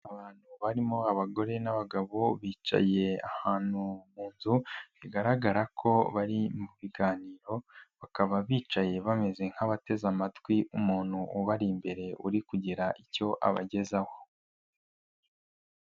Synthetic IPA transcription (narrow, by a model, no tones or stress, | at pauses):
aβaːn̥huβaɾimoaβaɡo̞ɾe̞naβaɡaβo̞βiːt͡ʃa̰je̞a̰haːn̥umuːnzuβiɡaɾaɡaɾakʰo̞βaɾimuβiɡaːniːɾo̞βakaβaβiːt͡ʃaje̞βame̞ze̞ŋ̥haβate̞zamatwiʔumuːn̥huuβaɾimbe̞ɾe̞uɾikuɟiɾaʔico̞ʔa̰βa̰ɟe̞zaho̞